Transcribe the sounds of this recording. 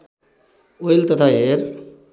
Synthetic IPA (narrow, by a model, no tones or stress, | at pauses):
oilt̪ət̪ʰaɦeɾ